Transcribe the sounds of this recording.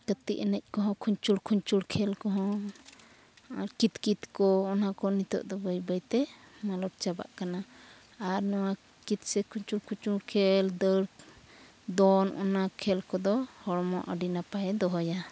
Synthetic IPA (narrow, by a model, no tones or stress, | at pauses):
kət̪iʔənɛc̚ˀkɔɦɔ̃kʰuɲt͡ʃuɽkʰuɲt͡ʃuɽkʰɛlkɔɦɔ̃ | a̰ɾkit̪kit̪kɔːnakɔnit̪ɔ̰ʔd̪ɔbəjbəjt̪ɛ | malɔɾ̚t͡ʃaba̰ʔkana | aɾnɔwa | kit̪̚sɛkʰuɲt͡ʃulkʰuɲt͡ʃuɽkʰɛld̪əɽ | d̪ɔnʔɔ̰nakʰɛlkɔd̪ɔhɔɽɔmɔʔəɖinapaɛd̪ɔɦɔja